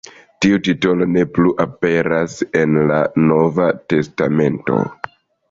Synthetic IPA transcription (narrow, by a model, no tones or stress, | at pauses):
tiutito̞lo̞ne̞pluʔape̞ɾase̞nlano̞vate̞stame̞nto̞̰